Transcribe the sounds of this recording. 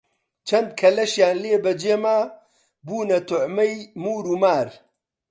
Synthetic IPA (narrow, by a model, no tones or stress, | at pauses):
t͡ʃʰɐnd̪̚kʰɐlɐʃjaːnleːbɐd͡ʒeːmaː | buːnɐt̪ʰʊʕmɐjmuːɾumaːɾ